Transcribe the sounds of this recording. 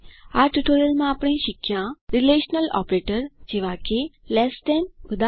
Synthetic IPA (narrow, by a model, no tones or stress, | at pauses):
aʈuʈoɾjəlmãːpɽ̃ẽɕikʰːjãɾileɕnəlɔ̰pɾeʈəɾd͡ʑeʋakelɛsʈ̪ɛnʋəd̪a